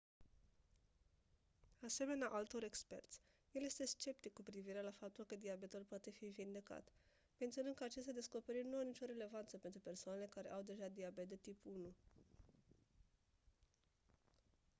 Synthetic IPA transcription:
ase̞me̞neaʔalt̪o̞ɾe̞kspe̞̰rt̪sʲ | je̞lje̞st̪e̞st͡ʃe̞p̚t̪ikːupɾiviɾe̞lafap̚t̪ulkəd̪iabe̞t̪ulpoat̪e̞fivind̪e̞ka̰t̪ | me̞nt̪sionɨnkəat͡ʃest̪ʲad̪e̞sko̞pe̞ɾit̪nuanit͡ʃo̞ɾe̞le̞vant̪səpe̞nt̪ɾupe̞rsoanele̞kaɾe̞ʔawd̪e̞ʒad̪iabet̪d̪et̪ipunu

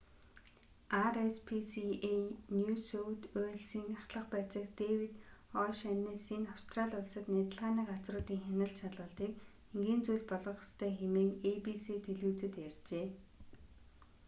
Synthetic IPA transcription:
arespʰisienjuːsowt̪ʊːɮsiːŋaχt̪ɮə̆χpæːt͡sə̆kt̪ewit̪ɔʃanːiːsinaw̥st̪ʰraːɮʊɮsə̆t̪næːt̪ə̆ɮʁaːniːqat͡srʊːt̪iːŋxænʲə̆ɮt̪t͡ɕʰat̪ɮʁʊːɮt̪iːk̚ | eŋɡiːnt͡sujɮpɔɮɞ̆χɔ̥st̪ʰœːxemeːŋepiset̪ʰeɮuːt͡sɘ̆t̪jært͡ɕeː

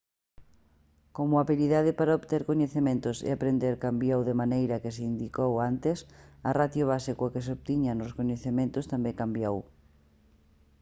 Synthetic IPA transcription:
komʊaβiliðaðɪpaɾaoβt̪eɾkoɲeθemẽnt̪ʊsɪ̰apɾend̪eɾkambjowðemanejɾɐkɪseind̪ikowant̪ɪsɐrat̪joβ̞asikʊkɪs̬oβt̪iɲanʊskoɲeθemẽnt̪ʊst̪ambeŋkambjow

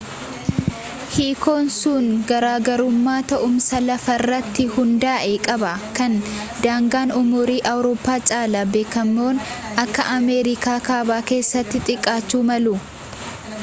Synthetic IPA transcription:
hiːko̞ːnsuːŋɡɐɾaːɡɐɾʊmːaːt̪ɐʔʊmsɐlɐfɐrːɐt̪ːɪhʊnd̪aːʔekʼɐbɐkɐn | d̪aːŋɡaːnʊmʊɾiːʔɐwɾo̞ːpːaːt͡ʃʼaːlɐbe̞ːkɐmːo̞ːnʔɐkːɐʔɐmeːɾɪkaːkaːbaːke̞ːsːɐt̪ːɪt̪ʼɪkʼːaːt͡ʃːuːmɐlu

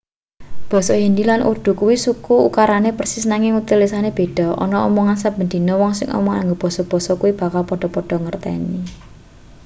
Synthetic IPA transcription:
b̥ɔ̤sɔjindilanʔṵɖ̪̥ṳkuwisukuukaɾanepərsɪsnaŋɪŋut̪ɪlːisaneb̥e̤d̥ɔ̤ɔ̰nɔɔmɔŋansab̥ənd̪̥i̤nɔwɔŋsɪ̰ŋʔɔ̰mɔŋa̰ŋɡob̥ɔ̤sɔb̥ɔ̤sɔkuwib̥a̤kalpɔɖ̥ɔ̤pɔɖ̥ɔ̤ŋərt̪ɛ̰ni

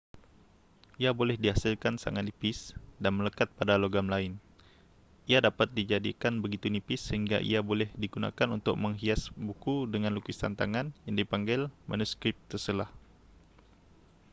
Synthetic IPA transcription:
ʔiabolɛhdiɦasɪlkansa̰ŋat̪̚ipɪsdanmələkat̪̚padaloɡamlaɪn | ʔiadapat̪̚did͡ʒadikanbəɡit̪unipɪsːəhiŋɡa̰ʔḭabolɛhdiɡuna̰kanṵnt̪ʊ̰k̚məŋɦiasbukudəŋanlukɪst̪a̰nt̪aŋanjaŋdipaŋɡɪlma̰nuskɾɪp̚t̪ərsəlah

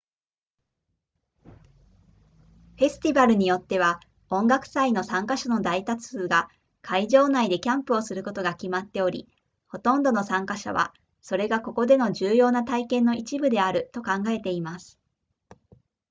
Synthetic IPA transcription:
ɸe̞sɨ̥t̪ʲibaɾɯ̟ɲ̟ijo̞t̪ːe̞β̞a | õ̞ŋɡakɯ̟̥saino̞sãŋkaɕano̞d̪ait̪at͡sɨːɡa | kʰaiʑo̞ːnaid̪e̞kʲãmpɯ̟o̞sɨɾɯ̟ko̞t̪o̞ɡakʲimat̪ːe̞o̞ɾʲḭ | ho̞t̪õ̞nd̪o̞no̞sãŋkaɕa̰βa̰ | so̞ɾe̞ɡako̞ko̞d̪e̞no̞ʑɨːjo̞ːnat̪aikẽ̞nːo̞ʔit͡ɕibɯ̟d̪e̞aɾɯ̟t̪o̞kãŋɡae̞t̪e̞imasɨ̥

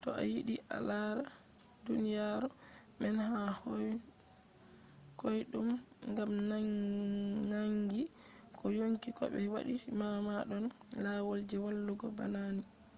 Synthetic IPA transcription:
tɔʔa̰jiɗiʔa̰laɾa | dunijaɾɔ | mɛnɦah | kojɗum | ŋɡamna | naŋɡi | kʰɔjoŋkikɔ̰ɓɛwa̰ɗimamaɗɔn | lawold͡ʒɛwalːuɡɔba̰nani

